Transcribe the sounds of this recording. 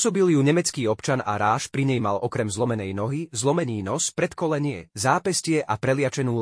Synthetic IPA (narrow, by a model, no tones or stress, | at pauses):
sɔbiljuɲɛmɛt͡skiːɔpt͡ʃana̰ɾaːʃpɾiɲɛjmalɔkɾɛmzlɔmɛnɛjnɔɦizlɔmɛɲiːnɔspɾɛt̪kɔlɛɲɪɛ̰zaːpɛscɪɛʔapɾɛlɪat͡ʃɛnuː